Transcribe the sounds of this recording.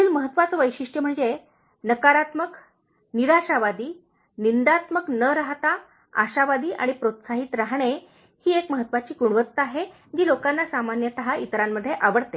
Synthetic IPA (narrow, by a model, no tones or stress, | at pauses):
iːlməɦət̪ːʋat͡səʋəjɕiʂʈjəm̤əɳd͡ze | nəkaɾat̪mək | niɾaɕaʋad̪iː | nind̪at̪məknəɾaɦt̪a | a̰ɕaʋad̪iːʔa̰ɽ̃ipɾot̪saɦiːt̪ɾaɦɳ̃e | hiːekməɦət̪ːʋat͡ɕiːkuɳʋət̪ːaɦe | d͡ʑiːlokanːasamanjət̪əɦait̪ɾamːəd̪ʱːjeʔaʋəɽt̪e